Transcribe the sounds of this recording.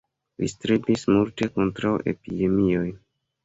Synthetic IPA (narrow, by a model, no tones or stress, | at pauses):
lḭstɾibismulte̞ko̞ntɾawʔe̞̰pide̞mio̞j